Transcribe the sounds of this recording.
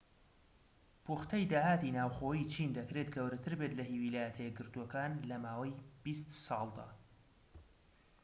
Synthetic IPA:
pʰuχt̪ʰɐjd̪aːhaːt̪inaːwxoːjit͡ʃʰind̪ɐkɾet̪ɡɐwɾɐt̪ʰɨɾbet̪lɐɦiwilaːjɛt̪ʰɐjɛɡɨɾt̪uɔkaːnlɐmaːwɐjbist̪sɑːlˠd̪a̰ː

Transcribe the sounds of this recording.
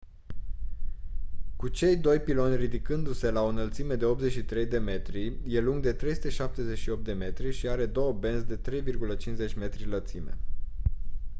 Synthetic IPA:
kut͡ʃe̞jd̪o̞jpilo̞nʲrid̪ikɨnd̪use̞lao̞nəlt̪sime̞d̪e̞o̞p̚ze̞t͡ʃʲʃit̪ɾe̞jd̪e̞me̞t̪ɾije̞luŋɡ̚d̪e̞t̪ɾe̞jsu̥t̪e̞ʃap̚t̪e̞ze̞t͡ʃʃio̞p̚t̪̚d̪e̞me̞t̪ɾiʃiaɾe̞d̪o̞wəbe̞nsd̪e̞t̪ɾe̞jvirɡulət͡ʃinze̞t͡ʃʲme̞t̪ɾilət̪sime̞̰

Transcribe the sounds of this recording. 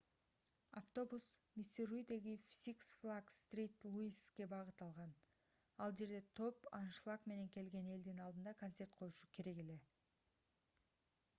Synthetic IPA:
aft̪o̞busmʲisʲt̪ʲerujd̪e̞ɡifʲsʲiksflˠaɡst̪rʲijt̪lˠuiske̞bɑʁɯt̪ɑlˠʁɑn | ɑlˠd͡ʒe̞ɾd̪e̞t̪ʰo̞pɑnʃlˠakme̞ne̞ŋke̞lɡe̞ne̞ld̪inɑlˠd̪ɯnd̪ɑkɐnt̪sʲe̞rt̪̚qʰo̞juʃukʰe̞ɾe̞ke̞le̞

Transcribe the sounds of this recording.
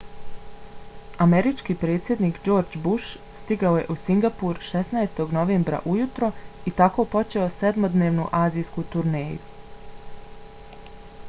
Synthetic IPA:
ame̞ɾit͡ʃkipɾe̞ːt̪sje̞d̪niːkd͡ʒo̞ːɾd͡ʒbuʃ | st̪iɡaoje̞̰ʔusiŋɡapuɾʃe̞snaest̪o̞ɡno̞ʋeːmbɾa̰ʔujut̪ɾo̞it̪ako̞po̞t͡ʃe̞o̞sed̪mo̞d̪neːʋnuʔaːziːskut̪uɾneːjṵ

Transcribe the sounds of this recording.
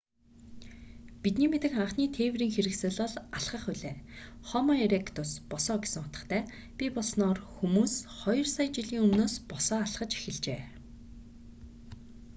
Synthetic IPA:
pit̪̚niːmet̪ɘ̆kχaɴχniːt̪ʰeːwriːŋxeɾɘ̆ksɘ̆ːɮɔɮaɮχə̆χʊɮeː | χɔmɔeɾekʰt̪ʰʊspɔsɔːɡe̥sɘ̆ŋʊt̪ɞ̆t̪ʰæː | pʲipɔɮsnɔːrxumuːsχɔjɞ̆rsajt͡ɕiɮiːŋɵmnoːspɔsɔːaɮχə̆t͡ɕe̥xɘ̆ɮt͡ɕḛː

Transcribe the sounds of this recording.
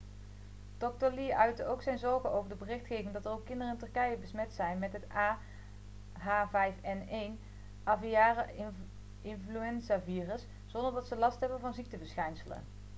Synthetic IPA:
tɔk̚toliʔœɥtəowksɛjnzɔɹɣənowvəɹdəbərɪxtxejvɪŋdɑtərowkːɪndərəɪntɵrkɛjəbəsmɛtsɛjnmɛtɦətaː | ɦaːvɛjfɛnejn | ɑvijaːrə | ɪnflyɛnzaviːrəs | z̥ɔndəɹdɑtsəlɑstɦɛbənvɑnzik̚təvəɹsxɛjnsələ̰n

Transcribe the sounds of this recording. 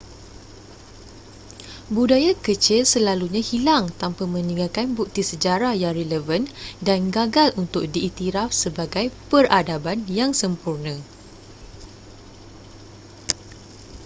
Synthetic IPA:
budajakət͡ʃɪlsəlaluɲãhilaŋt̪ampamə̃nĩŋɡalkanbuk̚t̪isəd͡ʒaɾajaŋreləvəndanɡaɡalunt̪ʊk̚diʔːt̪iɾafsəbaɡajpəradabanjaŋsəmpurnə̃

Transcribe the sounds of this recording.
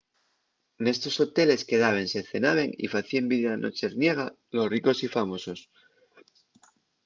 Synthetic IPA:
ne̞st̪o̞so̞t̪e̞le̞ske̞ðaβ̞e̞nse̞θe̞naβ̞e̞ŋḭfaθiembiðanʔo̰t͡ʃeɾnje̞ɣ̞a | lo̞sriko̞sifamo̞so̞s

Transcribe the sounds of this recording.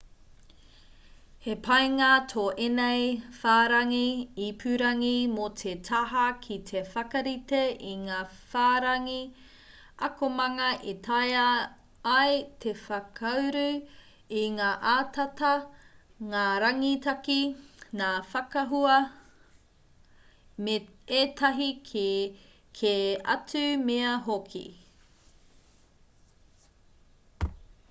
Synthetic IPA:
hepʰɐjŋaːtʰoːʔenejfaːɾɐŋiipʰʉɾɐŋimotʰetʰɐɦɐkʰit̪ʰefɐkɐɾiteʔiŋaː | faːɾɐŋi | ɐkomɐŋɐʔit̪ʰajɐː | jtʰe̞fɐkʰɐwɾʉ | iŋaːʔaːtʰɐtɐ | ŋaːɾɐŋit̪ɐkinaːfɐkɐɦuɐ | metʰɐɦi | kʰeɐ̰t͡sʉmeɐɦokʰḭ

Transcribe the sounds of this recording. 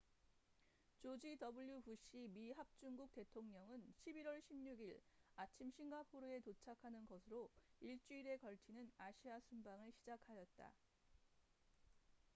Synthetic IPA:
t͡ɕod͡ʑidʌbuɭjubuɕ͈imiɦap̚t͡ɕ͈uŋɡuk̚t͈e̞tʰoŋɲʌŋɯnɕʰibiɾwʌɭɕʰimɲuɡiɾat͡ɕʰimɕʰiŋɡapʰoɾɯe̞tot͡ɕʰakʰanɯnɡʌsʰɯɾoiɭt͡ɕ͈uiɾe̞kʌɭt͡ɕʰinɯnaɕʰiasʰumbaŋɯɭɕʰid͡ʑakʰajʌt̚t͈a̰

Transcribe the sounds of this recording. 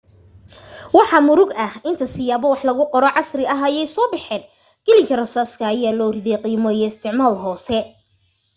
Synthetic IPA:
wɑħɑmʊɾʊɡɐhɪnt̪ʰɐsɪjaːβɔwɑħlɐɣʊqɔɾɔʕɑsrɪɐɦɐjɛjsɔːbɪħɛːn | ɡ̥ɛlɪŋkʰɐrɐsaːskʰɐːjaːlɔːrɪðɛjqiːmɔijɔɪst̪ʰɪʕmaːlɦɔːsɛ

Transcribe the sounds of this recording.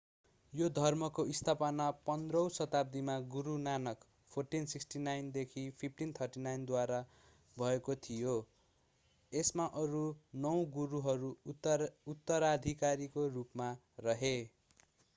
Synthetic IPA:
jod̪ʱʌrmʌkoʔist̪ʰapʌnapʌnd̪rʌw̃sʌt̪ab̚d̪imaɡuɾunanʌk | pʰorʈinsiksʈinajnd̪ekʰipʰipʰʈint̪ʰʌrʈinajnd̪waɾa | bʱʌekot̪ʰijo | esmaʔʌɾunʌw̃ɡuɾuɦʌɾu | ut̪ːʌɾad̪ʱikaɾikorupma | rʌɦe

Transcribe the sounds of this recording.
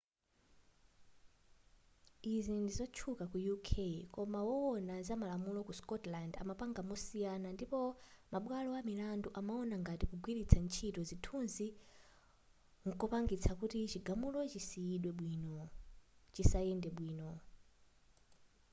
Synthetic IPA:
izindizɔt͡ʃʰukakujukʰekɔmawɔwɔnazamalamulɔkuskɔtlanda̰mapaŋɡamɔsijanandipɔmaɓwalɔamilanduʔamaɔnaŋɡatikuɡwiɗit͡sʰant͡ʃʰitɔzitʰunzi | ŋkɔpaŋɡit͡sʰakutit͡ʃiɡamulɔt͡ʃisijiɗwɛɓwinɔ | t͡ʃisajɛndɛɓwiːnɔ

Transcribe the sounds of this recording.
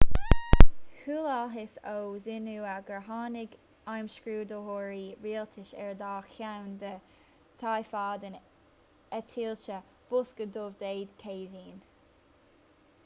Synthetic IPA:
huːlalɦɪsowzɪnuːaɡəɹɦɑːnɪɡ | ajmʃkɹuːd̪əɦoːɹiːɹiːlt̪ʰɪʃɛɹd̪aːxjawnd̪ə | t̪ʰajfaːd̪ən | ɛt̪ʰiːlt͡ʃə | b̥ʊskəd̪ovd̪eːd̪kʰeːziːn

